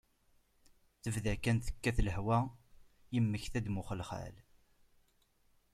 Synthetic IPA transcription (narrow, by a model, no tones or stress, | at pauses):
θəvðækænθə̥kːæθləhwæ | jəmːəçθæd̪mʊχəlχæ̰l